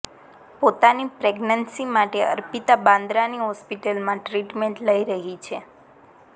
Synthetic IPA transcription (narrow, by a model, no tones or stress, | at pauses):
pot̪anipɾeɡnənsimaʈeə̰ɾpit̪abãnd̪ɾaniɦɔspiʈəlmãʈɾiʈmẽɳʈləiɾəɦit͡ʃʰe